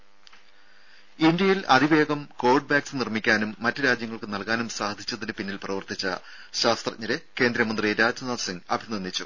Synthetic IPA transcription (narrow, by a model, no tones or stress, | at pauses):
ind̪jɐjilɐ̰d̪iʋe̞ːɡɐmko̞ːrɖɨbaːksnirmikʲːaːnumːɐtːɨɾaːd͡ʑjɐŋːɐɭkɨnɐlkaːnumsaːɦɐd̪ʰʱit͡ɕːɐðinɨpinːilprɐʋɐrt̪it͡ɕːɐ̰ | ɕaːst̪rɐʔːɐɾeke̞ːnd̪ɾɐmɐnd̪riɾaːd͡ʑɐnɐːsiŋɡɐ̰bʱinɐnːit͡ɕːṵ